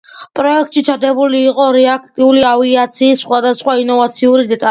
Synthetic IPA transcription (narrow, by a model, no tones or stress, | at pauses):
pʼɾɔɛk̚ʰt̪ʼʃit͡ʃʰad̪ɛbuliːqʼɔɾɛak̚ʰt̪ʼiuliaviat̪sʰiːsːχwad̪asχwainɔvat̪sʰiuɾid̪ɛt̪ʼa